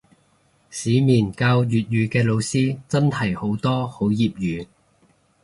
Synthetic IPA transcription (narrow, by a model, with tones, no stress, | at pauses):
siː˨˥miː˨˩nkaː˧wjyː˨t̚jyː˨˧kɛː˧lo˨˧wsiː˥t͡sɐ˥nhɐ˨˩jho˨˥wt̪ɔː˥ho˨˥wjiː˨p̚jyː˨˧